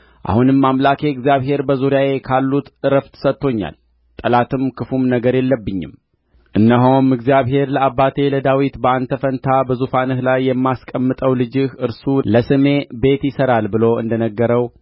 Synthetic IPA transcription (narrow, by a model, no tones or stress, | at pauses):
ʔa̰hunɨmːamlakʰe̞ɨɡzjaβɦe̞ɾbəzuɾijaje̞kʰalːut̪ʔɨɾəft̪ʰɨ̥sət̪ːo̞ɲːa̰l | t̪ʼəlat̪ʰɨmkʰɨfumnəɡəɾjɛlːəbːɨɲːɪ̰m | ʔɨnːəɦowmɨɡzijaβhe̞ɾləabːat̪ʰe̞ləd̪awit̪bəand̪t̪ʰːəfənt̪ʰabəzufanɨhlajːɛmːaskʼəmːɨt̪ʼəwlɨd͡ʒɪhɨɾsuləsɨme̞be̞t̪jɪsəɾalbɨlo̞ɨ̰nd̪ənəɡːəɾəw